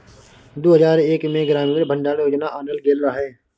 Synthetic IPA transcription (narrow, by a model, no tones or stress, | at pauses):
d̪oːɦəzaːɾeːkmẽɡɾaːmimebʱə̃ɳɖaːɽjoːd͡ʒnaʔaːnəlɡelɾaːɦeː